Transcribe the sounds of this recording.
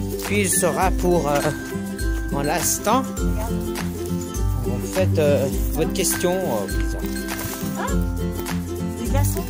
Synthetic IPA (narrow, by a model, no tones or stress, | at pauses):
pɥilsəʁapuʁø | ɑ̃lɛ̃st̪ɑ̃ | ɑ̃vufɛt̪øvɔt̪χkʲɛst̪jɔ̃øizɑ̃